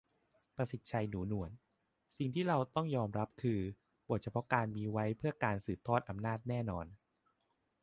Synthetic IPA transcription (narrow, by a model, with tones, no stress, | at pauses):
pɾa˧si˨˩t̪̚t͡ɕʰa˧jnuː˩˦nu˩˦ən | si˨˩ŋt̪ʰiː˥˩ɾa˧wt̪ɔ˥˩ŋjɔː˧mɾa˦˥p̚kʰɯː˧ | bu˨˩ət̪̚t͡ɕʰa˧pʰɔ˦˥kaː˧nmiː˧wa˦˥jpʰɯ˥˩ɐkaː˧nsɯː˨˩p̚t̪ʰɔː˥˩t̪̚ʔa˧mnaː˥˩t̪̚nɛː˥˩nɔː˧n